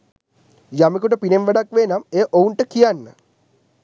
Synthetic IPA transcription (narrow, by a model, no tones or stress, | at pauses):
jamikuʈəpinemʋeɖakʋenameʔouɳʈəkijanːə